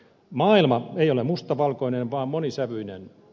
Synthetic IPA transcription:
mɑːilmɑeijolemust̪ɑʋɑlkoinenʋɑːmmonisæʋyinḛn

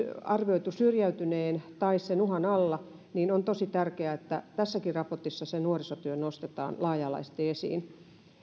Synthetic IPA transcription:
ɑrʋioit̪usyrjæyt̪yneːnt̪ɑissenuhɑnɑlːɑ | niːnont̪osit̪ærkeæet̪ːæt̪æsːækirrɑport̪isːɑsennuorisot̪yønost̪et̪ɑ̰ːnlɑːjɑːlɑ̰iset̪iesḭːn

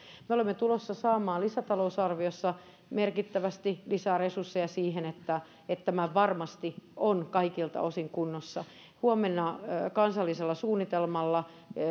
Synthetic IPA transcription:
meolemːet̪ulosːɑsɑːmɑːlisæt̪ɑlousɑrʋiosːɑ | merkit̪ːæʋæst̪ilisæresursːejɑsiːhenet̪ːæ | et̪t̪ːæmæʋɑrmɑst̪ionkɑikilt̪ɑ̰osiŋkunːosːɑ | huomenːɑkɑnsɑlːiselːɑsuːnːit̪elmɑlːɑ

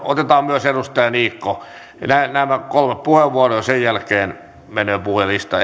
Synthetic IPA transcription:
ot̪et̪ɑːmmyøserust̪ɑjɑniːkːo | nænæmækolmeppuheʋʋuɑrojɑsejjælkeːn | menøːpuhjɑlist̪ɑ̰

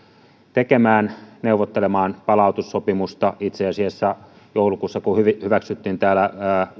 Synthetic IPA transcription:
t̪ekemæːnneuʋot̪ːelemɑːnpɑlɑˑut̪usːopimust̪ɑit̪seɑsiɑsːæ | joulukuːsːɑkuhyʋihyʋæksyt̪ːiːnt̪æːlæː

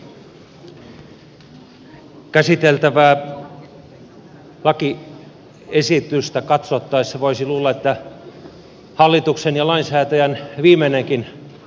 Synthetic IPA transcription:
kæsit̪elt̪æʋæː | lɑki | esit̪yst̪ækɑt̪sot̪ːɑisseʋoisiluːlːɑet̪ːæ | hɑlːit̪uksenjɑlɑinsæːt̪æjænʋiːmeneŋkin

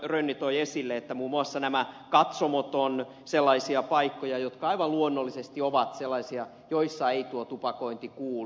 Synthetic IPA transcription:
rønːit̪oiesilːeet̪ːæmuːmːuɑsːɑnæmækɑt̪somot̪on | selːɑisiɑpɑikːojɑjot̪kɑɑiʋɑlluonːolːisest̪ioʋɑt̪selːɑisiɑ | joisːɑeit̪uot̪upɑkoint̪ikuːl

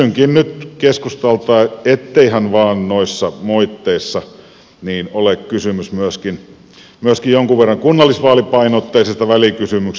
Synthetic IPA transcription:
yŋkinnyt̪keskust̪ɑlt̪ɑːˑet̪ːeihænʋɑːnnoisːɑmoit̪ːeisːɑ | niːnolekkysymysmyøskin | myøskijjoŋkuʋʋerːɑŋkunːɑlːˑisʋɑːlipɑinot̪ːeisest̪ɑʋælikysymyk

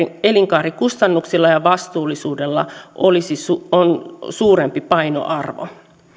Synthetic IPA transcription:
eliŋkɑːrikust̪ɑnːuksilːɑjɑʋɑst̪uːlːˑisuːdelːɑ̰ʔolisisuonsuːɾempipɑino̰ʔɑrʋo̰

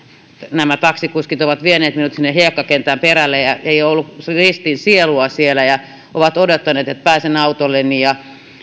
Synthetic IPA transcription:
næmæt̪ɑksikuskit̪oʋɑt̪ʋieneːt̪minut̪sinːehiekːɑkent̪æːmperælːejjɑeijolːukrist̪insieluɑsielæjɑ | ʔoʋɑt̪odot̪ːɑneːt̪et̪̚pæːsenɑut̪olːenːijɑ

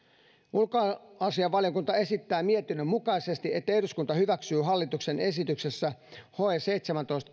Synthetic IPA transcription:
ulkoɑsiɑʋːɑljokunt̪ɑe̞sit̪ːæːmiet̪inːømːukɑise̞st̪iʔet̪ːæeɾuskunt̪ɑhyʋæksyːɦɑlːit̪ukse̞ne̞sit̪yksesːæho̞ese̞jt̪semænt̪o̞ist̪

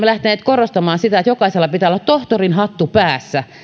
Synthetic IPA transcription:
elæht̪æneːt̪korost̪ɑmɑːnsit̪æet̪jokɑiselːɑpit̪æːolːˑɑt̪t̪oht̪orinhɑt̪ːupæːsːæ

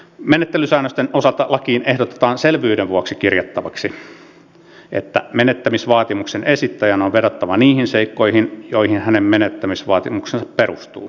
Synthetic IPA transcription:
menet̪ːelysæːnːøst̪enosɑlt̪ɑlɑkiːnehdot̪e̥t̪ɑːnselʋyːɾeʋʋuɑksikirjɑt̪ːɑʋɑksi | ʔḛt̪ːæ̰menet̪ːæmisʋɑːt̪imuksenesit̪ːæjænoʋʋeɾot̪ːɑʋɑniːhinseikːoihinjoihinhænemmenet̪ːæmisʋɑːt̪imuksensɑpperust̪ṵː

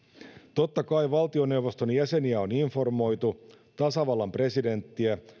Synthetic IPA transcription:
t̪o̞t̪ːɑkɑiʋɑlt̪io̞ne̞wʋo̞st̪o̞njæse̞niæo̞niɱfo̞rmo̞jt̪u | t̪ɑsɑʋɑlːɑmpre̞side̞nt̪ːiæ

